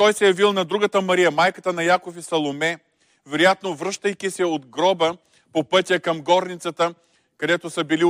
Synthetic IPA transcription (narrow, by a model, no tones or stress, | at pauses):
t̪ɔjsɛjɐvilˠnɐd̪ɾuɡət̪əmɐɾijɐmajkət̪ənɐjakofisɐlˠomɛ | vɛɾojat̪novɾɤʃt̪əjkʲisɛod̪ɡɾɔbə | popɤt̪ʲjəkɐmɡɔɾnit̪sət̪ə | kɐd̪ɛt̪osəbili